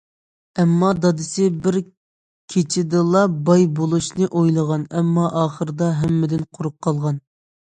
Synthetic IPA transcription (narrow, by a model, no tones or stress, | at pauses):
ɛmːɑd̪ɑd̪ɨsɪbɪɾ | kʲʰet͡ʃʰɪd̪ɨlˠɑbɑjbolˠuʃnɨʔojlˠəʁɑnɛmːɑʔɑːχəɾɨd̪ɑɦɛmːɪd̪ɪnqʰʊɾup̚qʰːɑlˠʁɑn